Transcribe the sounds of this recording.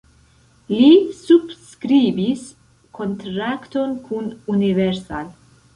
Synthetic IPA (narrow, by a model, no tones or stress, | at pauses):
lisubskɾibis | kont̪ɾakt̪onkʰununiveɾsal